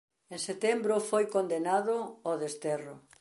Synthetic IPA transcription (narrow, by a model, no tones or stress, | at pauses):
ẽŋset̪ɛmbɾʊfojkond̪enaðʊoðest̪ɛrʊ